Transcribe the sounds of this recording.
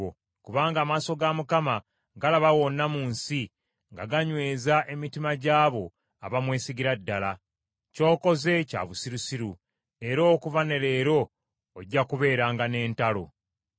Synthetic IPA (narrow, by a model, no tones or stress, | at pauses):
o | kuβaːŋɡaːmaːso̞ɡamukama | ɡalaβawo̞nːamuːnsi | ŋɡaɡaɲwe̞ːzaʔe̞mitimaɟaːβo̞ | a̰βamwe̞ːsiɡiɾadːala | co̞ːko̞ze̞ca̰βusiɾusiɾu | e̞ɾo̞ːkuvane̞ɾe̞ːɾo̞ː | ɟːakuβe̞ːɾaːŋɡane̞ːntalo̞̰